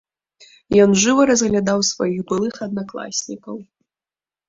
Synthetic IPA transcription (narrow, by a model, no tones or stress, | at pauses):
jɔnʐɨvɐɾɐzɣlʲad̪awsvajiɣbɨlˠɨxɐd̪naklˠa̰sʲnʲikɐw